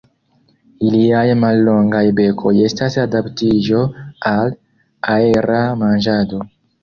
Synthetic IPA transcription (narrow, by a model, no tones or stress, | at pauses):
iliajmalːo̞ŋɡajbe̞kʰo̞je̞stasadaptid͡ʒo̞al | ae̞ɾamand͡ʒado̞